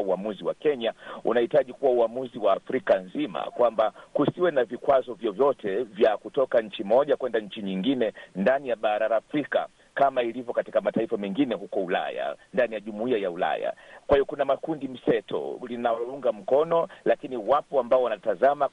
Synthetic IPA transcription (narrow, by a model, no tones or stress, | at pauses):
uamuziwa̰kɛɲaṵnahitaʄikuwauamuziwaːfɾikanzima̰kwambakusiwɛnavikwazɔvjɔvjɔtʰɛvjakutɔkaɲ̩t͡ʃimɔʄakwɛndaɲ̩t͡ʃiɲiŋɡinɛndanijaɓaɾaɾaːfɾika̰ | kamailivjɔkati̥kamataifamɛŋɡinɛɦukɔula̰ja̰ndanijaʄumuiajaula̰ja̰kwahijɔkunamakundim̩sɛtʰɔ̰linauŋɡam̩kɔnɔlakiniwapɔambaɔwanatazama